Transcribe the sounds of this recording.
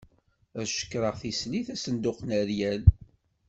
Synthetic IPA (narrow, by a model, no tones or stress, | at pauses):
ɾʃə̥kːɾˤəʁθisliθæsənd̪ʊqnəɾjæl